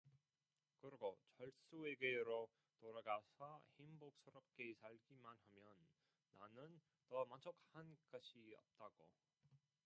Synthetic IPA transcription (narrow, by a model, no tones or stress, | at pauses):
kɯɾɡot͡ɕʌɭs͈ueɡeɾo | toɾaɡasʰʌhimbok̚s͈ʰɯɾʌp̚k͈esʰaɭɡimanhamjʌnː | anɯn | tʌmant͡ɕʰok̚hank͈ʌɕʰiʌ̰p̚t͈aɡo̰